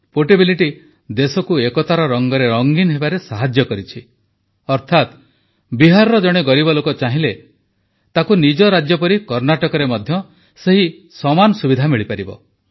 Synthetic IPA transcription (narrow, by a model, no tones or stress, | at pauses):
poʈebiliʈi | d̪esɔkuekɔt̪aɾɔɾɔŋɡɔɾeɾɔŋɡinɔɦebaɾesaɦad͡ʒjɔkɔɾit͡ʃʰi | ɔɾt̪ʰat̪ | biɦaɾɔɾɔd͡ʒɔɽ̃eɡɔɾibɔlokɔt͡ʃaɦĩle | t̪akunid͡ʒɔɾad͡ʒjɔp̬ɔɾikɔɾnaʈɔkɔɾemɔd̪ʱjɔ | seɦi | sɔmanɔsubid̪ʱamiɭipaɾibɔ̰